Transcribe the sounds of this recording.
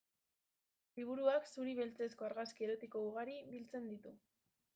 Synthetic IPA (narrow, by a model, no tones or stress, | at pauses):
liβ̞uɾuaksuɾiβelt͡se̞sko̞aɾɣaskie̞ɾo̞t̪iko̞uɣ̞aɾibilt͡se̞nd̪it̪u